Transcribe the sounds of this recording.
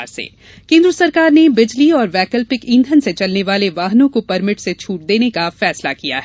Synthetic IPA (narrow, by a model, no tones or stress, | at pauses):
ɾsḛː | kẽːnd̪ɾəsɐɾkaːɾnebɪd͡ʒliɔːɾʋɛːkəlpɪkĩːnd̪ʱənset͡ʃɐlneʋaːleʋaːɦnõkopɐɾmɪʈset͡ʃʰuːʈ̚d̪eːnekafɛːslakija̰ɦɛ